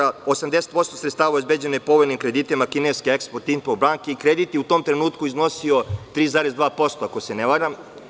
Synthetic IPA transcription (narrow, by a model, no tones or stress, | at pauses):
aosamd̪eset̪̚po̞st̪osɾet̪st̪aːʋauzbed͡ʑenoepo̞ʋojnimkɾed̪iːt̪imakineskeekspoɾt̪inpobɾaːŋkeikɾed̪it̪jeut̪oːmt̪ɾenuːt̪kuizno̞sio̞t̪ɾiːzaɾezd̪ʋaːpo̞st̪oakoseneʋaːɾam